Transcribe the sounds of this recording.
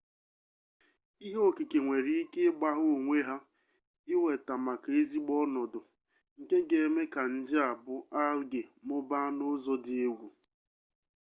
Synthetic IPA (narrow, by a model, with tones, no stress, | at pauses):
i˦ɦo˦˨ki˨ke˨ŋʷe˨ɾi˦i˦ke˦ɡ͡ba˦ɦʊ˦o˨ŋʷe˦ɦa˦ | ɪ˦we˨ta˨ma˨ka˨e˦zi˦ɡ͡bɔ˦nɔ˨dʊ˨ | ŋ̩˨ke˦ɡe˨˦me˦ka˨n̩˨d͡ʒɪ˦a˨bʊ˦a˦lɡe˨mʊ˦ba˦nʊ˦zɔ˦dɪ˦e˦ɡʷu˨